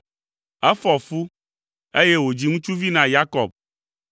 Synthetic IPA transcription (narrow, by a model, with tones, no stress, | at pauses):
ɛ˦fɔ˨fu˦ | e˦je˦wo˨d͡ʑi˨ŋũ˦t͡ʃu˦vi˦nã˨ja˦kɔ˨b̚